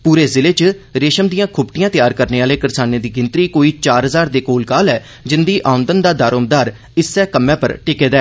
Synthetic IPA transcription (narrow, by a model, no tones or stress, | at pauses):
puːɾeːzɪleːt͡ʃɾeːʃəmd̪ijãːkʰʊbʈɪjãːt̪jaːɾkəɾneːaːleːkəɾsaːneːd̪iːɡɪnt̪ɾiːkoːiːt͡ʃaːɾɦəzaːɾd̪eːkoːlkaːlɛː | d͡ʒɪnd̪iːʔaːʊ̃nd̪ənd̪aːd̪aːɾoːmd̪aːɾ | ɪsːɛːkəmːɛ̃ːpə̰ɾʈɪkeːd̪ɛː